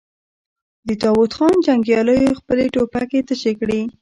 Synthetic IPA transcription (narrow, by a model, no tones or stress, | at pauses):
d̪ət̪ɑwʊt̪xɑnd͡ʒaŋɡjɑləjoxpəleʈopaket̪əʃekɽi